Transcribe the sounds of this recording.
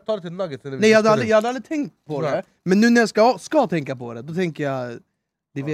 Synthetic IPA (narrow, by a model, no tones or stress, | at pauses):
t̪ʰɑːɾət̪ɪnɑːɡəɪɛɪjahad̪ːalɪjajhad̪ɾald̪ɾɪt̪ʰɛŋkt̪̚pʰɔd̪ɛ | mɛnːʉ̟ːnæɾjaskaskɑt̪ʰɛŋkapʰɔd̪ɛd̪ɔt̪ʰɛŋkəja | d̪ɛvɪ